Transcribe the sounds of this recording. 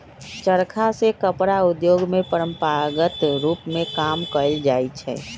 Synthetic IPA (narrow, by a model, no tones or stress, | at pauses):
t͡ʃəɾkʰasekəpɾaʊd̪joːɡmẽpəɾə̃mpaɡət̪ɾuːpmẽkaːmkəld͡ʒaːit͡ʃʰɛ̰ː